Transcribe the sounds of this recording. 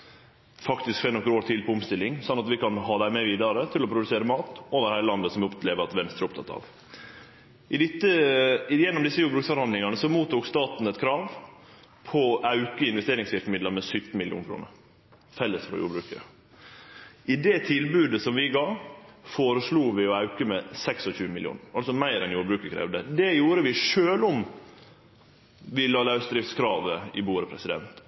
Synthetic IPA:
fɑkt̪ɪskfenɔkːəɾoːɾt̪ʰɪlpʰɔʊmst̪ɪlːɪŋsɔnːɑt̪ʋɪkɑnɦɑːd̪æɪmɛʋiːd̪ɑɾət̪ʰɪlɔpʰɾʊd̪ʉseːɾəmɑːt̪oːʋəɾhæɪəlɑnd̪əsɔmɛʊp̪leːʋəɑt̪ʋɛnst̪ɾəɾʊpt̪ʰɑt̪ːɑ̰ʋ | ʔɪd̪ɪt̪ːəjɛnːɔmd̪ɪsːəjuːbɾʉːksfɔɾhɑnd̪lɪŋɑnəsɔmuːt̪uːkst̪ɑːt̪n̩ɛt̪kʰɾɑːʋ | pʰɔɑʉkəɪnʋɛst̪eːɾɪŋsʋɪɾkəmɪd̪ləɾmɛsʏt̪ːn̩mɪlɪjṵːnkʰɾṵːnə̰ɾ | fɛlːəst̪fɾɔ̰jṵːɾbɾʉːkəɾə̰ | ʔɪd̪ɛt̪ʰɪlbʉːd̪əsɔmʋɪɡɑːfoːɾəsluːʋɪɔɑʉkəmɛsɛksɔçʉːəmɪljṵːnɾɑlsɔmæɪɾɛnjuːɾbɾʉːkəɾkʰɾɛ̰ːʋd̪əd̪ɛjuːɾəʋɪʂøːlɔm | ʋɪlɑːlɑʉsd̪ɾɪft̪skʰɾɑːʋəɪbuːɾəpʰɾɛ̰sɪd̪ɛ̰nt̪

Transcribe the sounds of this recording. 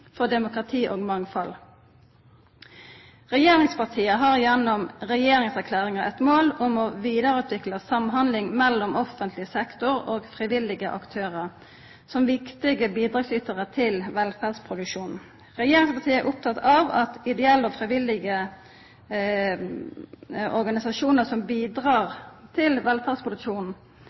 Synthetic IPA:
fɔd̪ɛmʊkʁɑt̪ʰiːʔoːɡmɑŋfɑl | ʁɛjeːɾɪŋspɑt̪ʰiːəɦɑʁjɛnɔmʁɛjeːɾɪŋsækʰlæːʁɪŋəʔɛ̰t̪moːlʊmɔʋiːd̪əɾʉːt̪ʰʋɪkləsɑmɦɑnd̪lɪŋmɛlːɔmɔfənt̪lɪəsɛkt̪ʊɾoːɡfʁɪʋɪlːɪɡəʔɑ̰kt̪ʰøːʁəʁ | sɔmʋɪkt̪ɪɡəbiːd̪ʁɑːɡsyt̪əʁət̪ʰɪlʋɛlfæʁd̪spʰʁʊd̪ʉkʂuːnn | ʁɛjeːɾɪŋspɑt̪ʰiːæɾʔʊp̚t̪ʰɑt̪ɑʋɑt̪ɪd̪ɛɛlːɔfʁɪʋɪlːɪɡə | ɔɾɡɑnɪsɑʂuːnəsɔmbiːd̪ʁɑːɾt̪ʰɪlʋɛlfæd̪spʁʊd̪ʉkʂuːnn̩

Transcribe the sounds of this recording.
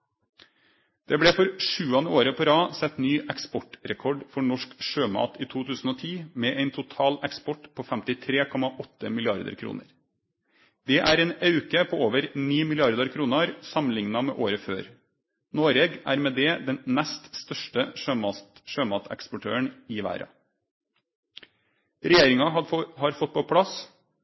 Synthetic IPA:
d̪̥ɛblɛːfɔɾʂʉːɑnəoːɾəpʰɔɾɑːsɛt̪nyːʔɛkspɔʈɾɛkʰɔɖfɔɳɔʂkʂøːmɑ̰ːt̪iːt̪ʰuːt̪ʰʉːsn̩oːt̪ʰiːmɛʔæɪnt̪ʰʊt̪ʰɑːlɛkspɔʈpʰoːfæmt̪ɪt̪ʰɾeːkʰɔmɑʔɔt̪ːəmɪlɪɑɾd̪ə̰ɾkʰɾṵːnə̰ɾ | d̪ɛʔæɾɛːnɑʉkəpʰoːoːʋəɾniːmɪlɪɑɾd̪əɾkʰɾuːnəɾsɑmənlɪŋnɑmɛ̰ʔoːɾəføːɾ | noːɾɛːɡæ̰ːɾmɛd̪ɛd̪ɛnnæst̪st̪œʂʈəʂømɑʃøːmɑːt̪ɛ̰kspɔʈʰøːəɳɪʋæ̰ːɾɑ̰ | ɾɛjeːɾɪŋɑhɑɾfɔt̪̚pʰɔpʰɽɑs

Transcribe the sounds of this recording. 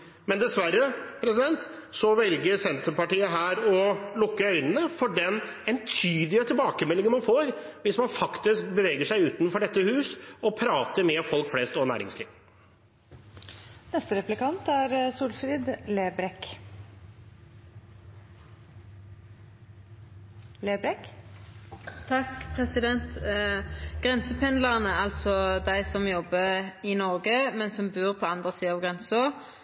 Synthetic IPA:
mɛnd̪ɛsʋæɾːəpʰɾɛsɪd̪ɛnt̪sɔʋɛlɡəɾsɛnt̪əɾpɑʈiːəɦæːɾɔlʊkːəœʏnənəfɔɖɛnɛnt̪ʰyːd̪ɪət̪ʰɪlbɑːkəmɛlːɪŋənmɑnfoːɾ | ʋɪsmɑnfɑkt̪ɪskbəʋeːɡəʂæɪʉːt̪nfɔɖɛt̪ːəhʉːsɔpʰɾɑːt̪əɾmɛfɔlkflɛst̪ɔnæ̰ːɾɪ̰ŋsliːʋ | nɛst̪əɾɛplɪkɑnt̪æɾsuːlfɾɪd̪leːbɾɛk | leːbɾɛk | t̪ʰɑkpʰʁɛsɪd̪ɛnt̪ | ɡ̥ʁɛnsəpʰɛnləʁənəɑlt̪sɔd̪æɪsɔmjɔbːəɪnɔʁɡəmɛnsɔmbʉːʁpʰoɑnd̪ʁəsiːəɑːʋɡʁɛnsɔ

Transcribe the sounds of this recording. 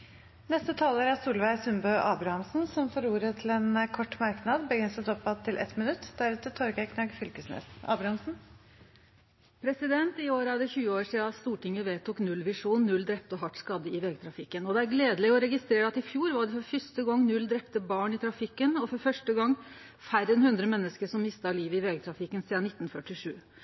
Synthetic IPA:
nɛst̪ət̪ʰɑːloːɾæɾsuːlʋæɪsʉmbœːʔɑːbɾɑhɑmsn̩sɔmfɔɾuːɾət̪ʰɪlɛnkʰɔʈːmɑɾknɑd̪bəɡɾɪnsɛt̪ɔpːɑt̪ʰːɪlʔɛ̰t̪mɪnʉt̪ːd̪æɾʉːt̪ət̪ʰɔɾɡækʰnɑɡfʏlkəsnḛːsɑ̰ːbɾɑhɑmsn̩ | pʰɾɛsɪd̪ɛnt̪ɪoːɾəɑd̪əçʉːəoːɾʂɪɑst̪uːʈɪŋːəʋeːt̪ʊknʉlːʋɪʂuːnːʉld̪ɾɛp̚t̪əɔɦɑʈskɑd̪ːəɪʋeːɡət̪ʰɾɑfɪkːənɔd̪ɛæɾɡleːd̪əlɪɔɾɛɡɪst̪ɾeːɾəɑt̪ɪfjuːɾʋɑɖɛfɔɾfʏʂt̪əɡɔŋnʉld̪ɾɛpt̪əbɑːɳɪt̪ʰɾɑfɪkːənɔfɔɾfœʂʈəɡɑŋː | fæɾənhʉnd̪ɾəmɛnːəskəʂɔmmɪst̪ɑliːʋəɪʋeːɡət̪ʰɾɑfɪkːənsiːd̪ɑnɪt̪ːnfœʈːɪʂʉː

